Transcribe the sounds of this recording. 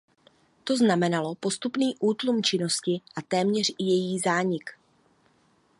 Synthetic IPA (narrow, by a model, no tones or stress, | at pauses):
t̪o̞znamɛnalo̞po̞st̪upniːʔuːt̪lumt͡ʃɪno̞scɪʔat̪ɛːmɲɛr̝ɪjɛjiːzaːɲɪk